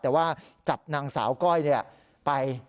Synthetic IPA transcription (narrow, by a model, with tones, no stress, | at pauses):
t̪ɛː˨˩waː˥˩t͡ɕa˨˩p̚naː˧ŋsa̰ː˩˦wkɔ˥˩jni˥˩ɐ | pa˧j